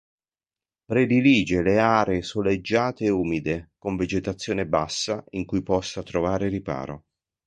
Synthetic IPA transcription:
pɾed̪iliːd͡ʒeleaːɾesoled͡ʒːaːt̪eːuːmid̪ekoɱved͡ʒet̪at̪sːjoːnebasːaiŋkujpɔsːat̪ɾovaːɾeripa̰ːɾo̰

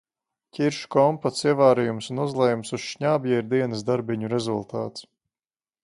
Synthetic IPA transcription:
cʲiɾʃkɔmpat̪siɛvaːɾijumsunuzlˠɛjumsusʃɲaːbjɛiɾd̪iɛnɨsd̪aɾbʲiɲuɾɛzulˠt̪a̰ːt̪s

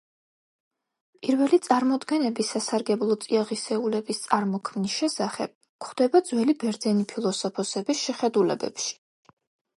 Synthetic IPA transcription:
pʼiɾvɛlit̪sʼaɾmɔd̪ɡɛnɛbisːasaɾɡɛblˠɔt̪sʼiaʁisɛulɛbist̪sʼaɾmɔkʰmnisʃɛsaχɛ̰b̥̚ | kχd̪̥ɛbad̪zwɛlibɛɾd̪zɛnipʰilˠɔsɔpʰɔsɛbisʃɛχɛd̪ulɛ̰bɛ̰pʃi̥

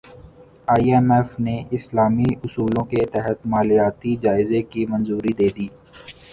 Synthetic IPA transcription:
aːiɛmɛːfneʔɪslaːmiʊsuːlõket̪ɛɦət̪maːlijaːt̪id͡ʒaːɪzekimɐ̃nzuːɾid̪eːd̪iː

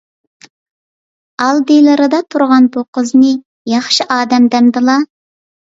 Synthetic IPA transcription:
ɑlˠd̪ɨlˠɨɾɨd̪ɑt̪ʰuɾʁɑnbuqəznɨ | jɑχʃiʔɑːd̪ɛmd̪ɛmd̪ɨlˠɑ

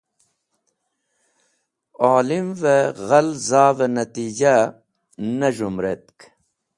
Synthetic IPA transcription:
aːlimveɣɐlzaːvɐnɐt̪iːd͡ʑa | nɐʐumɾet̪̚k

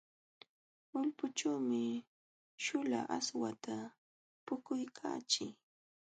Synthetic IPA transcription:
ʊlpʊt͡ʃaːmɪ | ʃʊla̰ʔaswat̪ʰa | pʊkʊjkʰa̰ːt͡ʃɪ

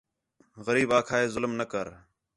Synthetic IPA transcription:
ɣəɾiːbaːkʰaːeːzʊlmnəkəɾ

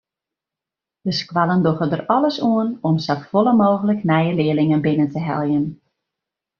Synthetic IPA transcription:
d̥əskwalˠəndoxədərɔləsuənɔmsaffoləmoːɣələknɛjəlɪəlɪŋənbɪnəntəɦɛ̰lˠjən

